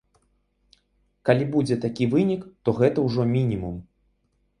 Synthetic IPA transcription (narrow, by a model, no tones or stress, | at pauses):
kalʲibud͡zʲɛt̪akʲivɨnʲikt̪ɔɣɛt̪ɐwʐɔmʲinʲimum